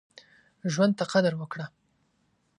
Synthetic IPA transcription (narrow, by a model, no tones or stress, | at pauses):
ʒwand̪̚t̪aqad̪aɾwəkɽa